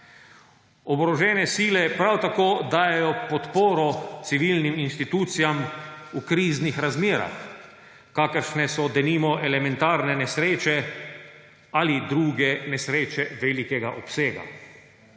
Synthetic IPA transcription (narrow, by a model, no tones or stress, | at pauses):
ɔbɾɔʒɛːnɛsiːlɛpɾawt̪akoːd̪aːjɛjɔpɔt̪poːɾɔt̪siʋilniminʃt̪it̪uːt̪sijamukɾiːznixɾazmeːɾa̰x | kaːkəɾʃnɛsɔd̪ɛniːmɔʔɛlɛmɛnt̪aːɾnɛnɛsɾeːt͡ʃɛ | alid̪ɾuːɡɛnɛsɾeːt͡ʃɛʋelikɛɡaʔɔpseːɡa̰